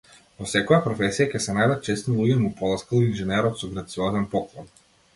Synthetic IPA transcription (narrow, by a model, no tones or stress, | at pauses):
vɔsɛkɔjapɾɔfɛsijakɛsɛnajd̪at̪̚t͡ʃɛst̪nilˠuɡʲɛmupɔlˠaskalˠinʒɛnɛɾɔt̪sɔɡɾat̪siɔzɛnpɔklˠɔn